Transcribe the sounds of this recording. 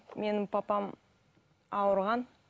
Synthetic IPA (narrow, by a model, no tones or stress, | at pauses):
me̞nɪmpʰɑpɑm | ɑwəɾʁɑn